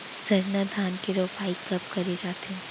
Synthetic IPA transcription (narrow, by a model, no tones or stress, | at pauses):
sɐɾnad̪ʱaːnkeɾoːfaːikɐp̚kɐɾed͡ʒaːt̪eɦɛ̃